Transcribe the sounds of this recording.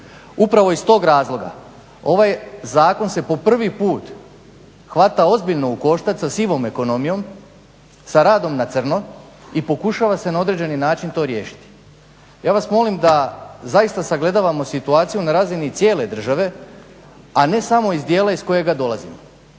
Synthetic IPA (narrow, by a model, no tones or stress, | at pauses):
upɾaʋo̞ist̪o̞ːɡɾaːzlˠo̞ɡa̰ | o̞ʋajzaːko̞nse̞po̞pr̩ʋipuːt̪ | xʋat̪ao̞zbiʎno̞uko̞ʃt̪at̪sasiʋo̞me̞ko̞no̞mijo̞m | saɾaːd̪o̞mnat̪sr̩no̞ | ipo̞kuʃaʋase̞nao̞d̪ɾe̞d͡ʑe̞ninaːt͡ʃint̪o̞ɾje̞ːʃi̥t̪i̥ | jaːʋasmo̞limd̪azajist̪asaɡle̞d̪aːʋamo̞sit̪uaːt̪sijunaɾaːzinit̪sje̞ːle̞d̪r̩ʒaʋe̞ | ane̞samo̞izd̪je̞ːlaisko̞je̞ɡad̪o̞lˠazimo